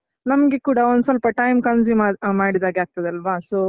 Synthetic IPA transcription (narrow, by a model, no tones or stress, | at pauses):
nɐmɐɡekuːɽɐond̪usɐlpɐʈɐjmkɐns̬imamaːɽid̪aːɡeaːɡ̚t̪ɐd̪eɐlʋaːsoː